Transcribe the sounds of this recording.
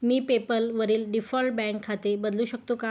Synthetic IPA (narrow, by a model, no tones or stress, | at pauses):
miːpepəlʋəɾiːlɖifɔlʈ̚bɛ̃ŋkʰːat̪ebəd̪luːɕəkt̪oka